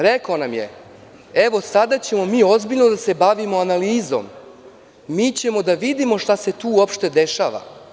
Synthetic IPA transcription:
ɾekaonamje̞̰ | e̞ʋo̞sad̪at͡ɕe̞mo̞miːo̞zbiʎnod̪ase̞baʋimoanaliːzo̞̰m | miːt͡ɕe̞mo̞d̪aʋid̪imo̞ʃt̪ase̞t̪uːopʃt̪e̞d̪eʃaːʋa̰

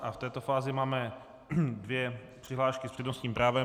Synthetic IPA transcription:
ʔaft̪ɛːt̪ofaːzɪmaːmɛ | dvjɛpr̝̥ɪɦlaːʃkɪspr̥ɛdnost̪ɲiːmpɾaːvɛ

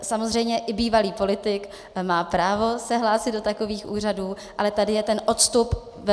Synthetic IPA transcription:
samozr̝ɛjmɲɛʔɪbiːvaliːpo̞lɪt̪ɪk | maːpɾaːvo̞sɛɦlaːsɪd̪do̞t̪ako̞viːxʔṵːr̝aduː | ʔalɛt̪adɪjɛt̪ɛnʔot̪st̪up | vɛ

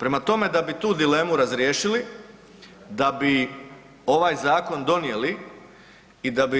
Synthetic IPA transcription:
pɾe̞mat̪o̞me̞d̪abit̪uːd̪ile̞ːmuɾazɾjeːʃili | d̪abi | o̞ʋajzaːko̞nd̪o̞nije̞li | id̪abi

